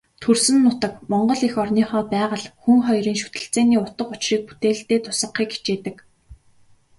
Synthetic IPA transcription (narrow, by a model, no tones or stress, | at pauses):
t̪ʰɵrsɘ̆nːʊt̪ə̆kmɔɴɢɞ̆ɮixɔrniːχɔːt̪̚pæːʁə̆ɮxuŋχɔjriːnʃu̥t̪ɘ̆ɬt͡seːniːʊt̪ə̆qʊt͡ɕriːk̚pu̥t̪eːɬt̪eːt̪ʰʊ̥sə̆χiːki̥t͡ɕeːt̪ɘ̆k